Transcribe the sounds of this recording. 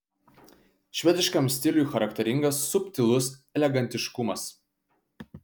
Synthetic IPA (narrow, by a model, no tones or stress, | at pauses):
ʃʲʋʲɛd̪ʲɪʃkɐmsʲt̪ʲɪlʲːˑxɐɾɐkt̪ʲɛɾʲɪŋɡɐsːʊpʲt̪ʲɪlˠʊsɛlʲɛɡɐnʲt̪ʲɪʃkʊmɐs